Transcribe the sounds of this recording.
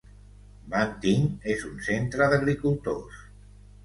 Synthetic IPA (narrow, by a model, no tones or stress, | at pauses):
mant̪iŋezunsent̪ɾəðəɣɾikulˠt̪os